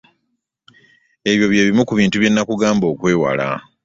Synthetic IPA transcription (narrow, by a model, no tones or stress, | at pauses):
e̞βjo̞βje̞ːβimukuβiːntuβje̞nːakuɡaːmbo̞ːkwe̞ːwa̰la̰